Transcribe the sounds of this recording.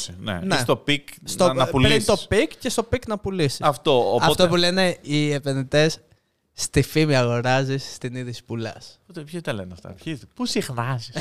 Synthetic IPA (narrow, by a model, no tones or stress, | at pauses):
nḛnest̪opikst̪oɐpulɾint̪o̞spikcest̪o̞piknɐpulisisɐft̪oopɐt̪opule̞ne̞iepe̞nðit̪e̞sː | t̪ifimiɐɣo̞ɾɐzisːt̪iniðispulɐspot̪epçezt̪ɐleneɐft̪ɐ̰pçipusixnɐzis